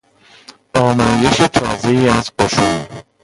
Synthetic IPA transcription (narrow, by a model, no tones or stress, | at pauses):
ɒːmɒːje̞ʃet̪ʰɒ̰ːze̞iːæzqoʃui